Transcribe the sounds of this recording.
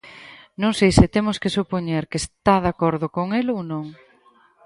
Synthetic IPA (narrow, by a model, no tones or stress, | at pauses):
nõŋsejsɪt̪emʊskɪsupoɲeɾkest̪aðakoɾðʊkoŋelonõŋ